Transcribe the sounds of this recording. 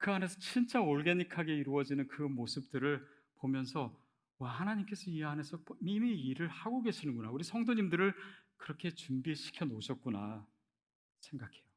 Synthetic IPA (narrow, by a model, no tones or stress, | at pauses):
kɯane̞sʰʌt͡ɕʰint͡ɕ͈aoɭɡe̞ɲikʰaɡe̞iɾuʌd͡ʑinɯnkɯmosʰɯp̚t͈ɯɾɯɭ | pomjʌnsʰʌ | waɦanaɲimk͈e̞sʰʌieɦane̞sʰʌmimiiɾɯɭhaɡoɡe̞ɕʰinɯnɡunauɾisʰʌŋdoɲimdɯɾɯɭkɯɾʌkʰe̞t͡ɕumbieɕʰi̥kʰjʌnoɕʰʌt̚k͈una | sʰe̞ŋɡakʰe̞jo